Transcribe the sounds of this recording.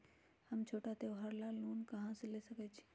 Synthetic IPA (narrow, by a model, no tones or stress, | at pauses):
həmt͡ʃʰoːʈat̪eoɦəɾlaːlnuːnkəɦãselesəkət͡ʃʰi̥